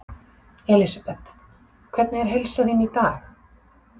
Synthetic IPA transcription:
ɛlisapɛt̪ | kʰvɛt̪̚nɪɛɾ̥ɦejlsaθinit̪aːx

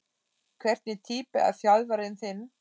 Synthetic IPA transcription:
kʰvɛr̥t̪̚nɪt̪ʰiːpɪa̰ðfjalvaɾɪnθɪnː

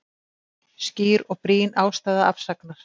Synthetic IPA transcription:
sciːɾɔɣpɾiːnaːwst̪aːðaa̰fsaknaɾ̥

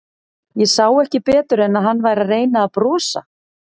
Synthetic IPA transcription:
jɛsaːwɛhcɪpɛːt̪ʏɾɛnːaðɦanːvaːjɾareːjnaːðpɾɔːsa̰

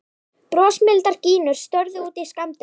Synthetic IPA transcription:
pɾɔːsmɪlt̪aɾciːnʏɾ̥st̪œɾðʏuːt̪iskamt̪ɪ

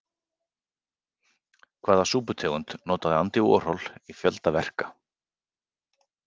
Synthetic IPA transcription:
kʰv̥aːðasuːpʏt̪ʰɛːɣʏnt̪nɔːt̪aðɪant̪ɪɔ̰r̥ɔlifjœlt̪avɛr̥kḁ

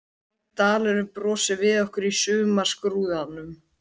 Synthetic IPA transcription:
t̪aːlɛɾʏpɾɔːsɪvɪðɔhkʏɾisʏːmḁskɾuːðanːʏm

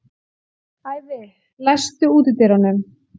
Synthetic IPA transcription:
haːjðɪ | lajst̪ʏuːt̪ɪt̪eɾanʏm

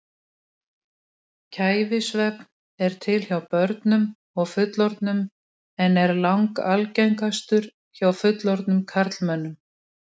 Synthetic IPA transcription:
cʰaːjvɪsvɛp̚n | ɛɾ̥t̪ʰɪlçawpœɾt̪nʏm | ɔɣfʏt̪lɔɾt̪nʏm | ɛnɛɾlawŋkalcɛjŋkast̪ʏɾ̥ | çawfʏt̪lɔɾt̪nʏmkʰaɾt̪lmœnːʏm

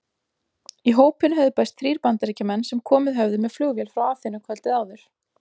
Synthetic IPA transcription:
iɦoːwpɪnhɛvðʏpɛst̪θɾiːɾpant̪aɾiːcamɛnːsɛmkʰɔːmɪðɦœvðɪmɛðflʏɣvjɛlfɾawaːθɪnːʏkʰvœlt̪ɪðaːwðʏɾ̥

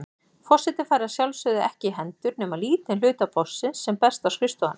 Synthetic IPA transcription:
fɔr̥sɛt̪ɪfajɾasjalsʏðɪɛhcɪɦɛnt̪ʏɾnɛmaliːt̪ɪnlʏːt̪apɔsːɪnsːɛmpɛst̪awskɾɪst̪ɔan

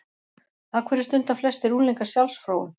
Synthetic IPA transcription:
aːkʰvɛɾɪst̪ʏnt̪aflɛst̪ɛɾuːnliŋkasjawlsfɾoːwʏm

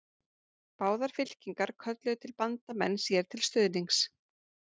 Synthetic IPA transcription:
paːwðaɾ̥fɪl̥ciŋkaɾkʰœt̪lɛʏt̪ʰɪlpant̪amɛnːsjɛɾ̥t̪ʰɪlst̪ʏðniŋs

